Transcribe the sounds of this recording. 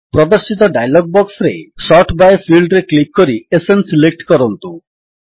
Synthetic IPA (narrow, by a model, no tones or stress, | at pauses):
pɾɔd̪ɔɾsit̪ɔɖajlɔɡ̚bɔksɾḛsɔʈbajfʰilɖɾeklip̚koɾiesensilek̚ʈkɔɾɔnt̪u